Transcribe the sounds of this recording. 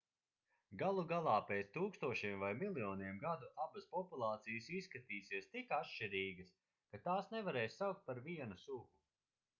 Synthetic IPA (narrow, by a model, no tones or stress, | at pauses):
ɡalˠuɡalˠaːpɛːt̪st̪uːkst̪uɔʃiɛmvajmilˠijɔːniɛmɡad̪uʔabɐspɔpulˠɑːt̪sijəsisːkat̪iːsiɛst̪ikatʃt͡ʃiɾiːɡɐs | kat̪aːsnɛvaɾɛːjsːawk̚t̪̚paɾviɛnusuɡu